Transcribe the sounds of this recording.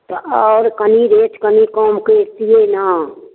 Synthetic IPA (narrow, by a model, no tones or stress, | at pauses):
t̪oɔːɾkəniɾeːt͡ʃkənikoːmkest̪ijeːna